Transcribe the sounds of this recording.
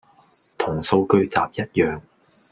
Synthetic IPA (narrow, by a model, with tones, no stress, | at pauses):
t̪ʰʊ˨˩ŋso˧wkɵ˥ɥt͡sa̰ː˨p̚jɐ˥t̚jœː˨ŋ